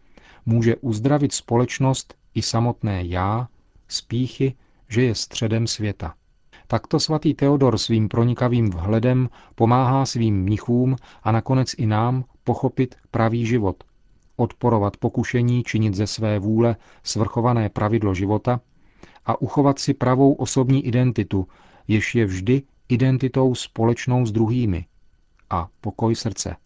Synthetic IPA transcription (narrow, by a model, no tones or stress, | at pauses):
muːʒɛʔuzd̪ɾavɪt̪spo̞lɛt͡ʃno̞st̪ | ʔɪsamo̞t̪nɛːjaː | spiːxɪ | ʒɛjɛst̪r̝̥ɛdɛmsvjɛt̪a̰ | t̪akt̪o̞svat̪iːt̪ɛodo̞ɾsviːmpɾo̞ɲɪkaviːmvɦlɛdɛmpo̞maːɦaːsviːmːɲɪxuːmʔanako̞nɛt͡sʔɪnaːmpo̞xo̞pɪt̪pɾaviːʒɪvo̞t̪ | ʔo̞t̪po̞ɾo̞vat̪po̞kuʃɛɲiːt͡ʃɪɲɪt̪zɛsvɛːvuːlɛ | svr̩xo̞vanɛːpɾʔavɪdlo̞ʒɪvo̞t̪a | ʔaʔuxo̞vat̪sɪpɾavo̞wʔo̞so̞bɲiːʔɪdɛnt̪ɪt̪u | jɪʃjɛvʒdɪ | ʔɪdɛnt̪ɪt̪o̞wspo̞lɛt͡ʃno̞wzd̪ɾuɦiːmɪ̰ | ʔapo̞ko̞jsr̩t͡sɛ̰